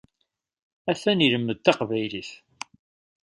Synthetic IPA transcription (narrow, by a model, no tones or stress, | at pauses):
æθæniləmːəd̪θɑqvæjliθ